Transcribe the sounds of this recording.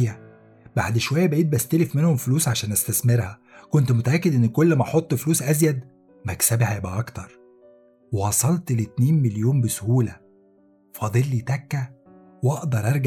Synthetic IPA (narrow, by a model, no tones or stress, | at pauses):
jːæ | ba̰ʕd̪ʃowæjːæbæʔeːt̪̚bæst̪ælefmenhomfluːsʕaʃæːnʔæst̪æsmeɾhæ | kont̪mot̪æʔækːed̪ʔenːkolːmæʔɑħot̪ˤːfluːsʔæzjæd̪ | mæksæbhæjebʔæʔɑkt̪ɑɾˤ | wewɑsˤɑlt̪let̪neːnmeljoːmbesohuːlæ | fɑd̪ˤelːit̪ækːæ | wʔɑʔd̪ɑɾˤʔɑɾˤɡ